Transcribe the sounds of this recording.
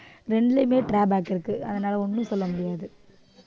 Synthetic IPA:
ɾɛɳɖlemeːʈɾaːbaːkːɪɾɯkːɯɐðɐnaːlɐɔnːɯ̃sɔlːɐmʊɽɪjaːðɯ

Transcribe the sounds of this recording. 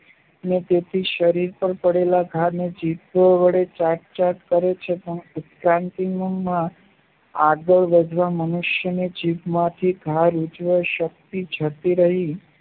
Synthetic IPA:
ənet̪et̪ʰiʃəɾiɾpəɳpəɽelaɡʱaɾned͡ʒitəʋəɭet͡ʃaʈ̚t͡ʃaʈkəɾet͡ʃʰepənʊt̪kɾãnt̪inumã | aɡəɭʋəd͡ʒʋamənuʃjəned͡ʒipmãt̪ʰiɡʱaɾud͡ʒʋəʃək̚t̪id͡ʒʱət̪iɾəɦi

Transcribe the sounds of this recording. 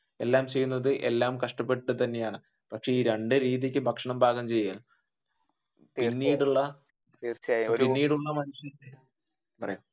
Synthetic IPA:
e̞lːaːmt͡ɕe̞jːunːɐðɨʔe̞̰lːaːmkɐʂʈɐpːe̞ʈːɨt̪ɐnːe̞jaːɳɨ | pɐkʂe̞iːɾeɳɖɨɾiːðikʲːɨbʱɐkʂɐɳɐmbʱaːɣɐmt͡ɕe̞jːaːl | inːiːɽuɭːɐ | t̪iːrt͡ɕːpinːiːɽuɭːɐmɐnuʂjɐe | pɐrɐ̰jum

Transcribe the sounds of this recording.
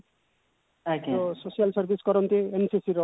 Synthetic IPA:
akososijalsʌɾbʱiskʌɾʌnt̪iensisiɾʌ

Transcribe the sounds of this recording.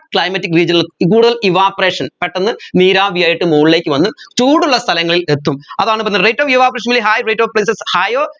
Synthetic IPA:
kɭɐjmɐtːikːriːd͡ʑɐnilkuːɽuðɐliʋaːpreːʂɐnpeʈːɐnːɨniːɾaːʋijaːjiʈːɨmoːɭile̞ːkːɨʋɐnːɨt͡ɕuːɽuɭːɐst̪ʰɐlɐŋːɐɭile̞t̪ːumɐðaːɳɨbɐnːɐrejtːoːʋiʋaːpɐɾeːʂɐnilːeɦaːjrejʈːoʋpɭejsɐshaːjoː

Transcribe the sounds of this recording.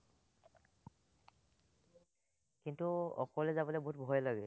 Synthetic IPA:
kintuɔ̰kɔlɛzabɔleboɦutbʱɔjlaɡɛ

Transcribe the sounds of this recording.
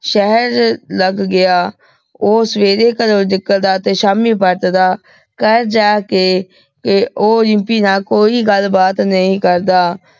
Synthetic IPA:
ʃɛɦəɾləɡːɪaː | oːsəʋeːd̪eːkəɾoːd͡ʒɪkːəld̪aːt̪eːʃaːmĩːpəɾt̪d̪aː | kəɾd͡ʒaːkeː | kɪoːlɪ̃mpiːnaːkoːiːɡəlbaːt̪nəĩːkəɾd̪aː

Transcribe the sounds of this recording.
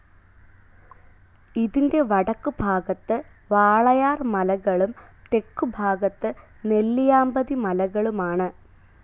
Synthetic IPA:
iðinde̞ʋɐɽɐkːubʱaːɡɐt̪ːɨ | ʋaːɭɐjaːrmɐlɐɣɐɭumt̪e̞kːubʱaːɡɐt̪ːɨ | ne̞lːijaːmbɐðimɐlɐɣɐɭumaːɳɨ

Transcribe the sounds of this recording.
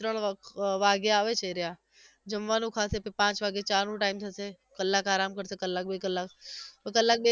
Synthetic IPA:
ɾəɽ̃ʋaːɡjaaːʋet͡ʃəiɾɪja | d͡ʒɐmʋaːnũkʰaːsepepãːt͡ʃʋaːɡet͡ʃaːɾnũʈaːɪmsʰase | kɐlːaːkaːɾaːmkəɽsekɐlːaːk̚bekəlːaːkkɐlːaːk̚ɓe

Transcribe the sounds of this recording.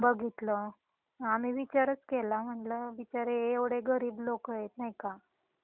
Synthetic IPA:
bəɡʱit̪lə | amiːʋit͡ɕaɾət͡skelam̤əɳʈləʋit͡ɕaɾeeʋɽeɡəɾiːblokəet̪najka

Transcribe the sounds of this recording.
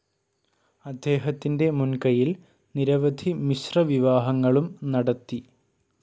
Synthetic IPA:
ɐd̪ːe̞ːɦɐt̪ːinde̞munkɐjil | niɾɐʋɐd̪ʱimiɕrɐʋiʋaːɦɐŋːɐɭumnɐɽɐt̪ːi

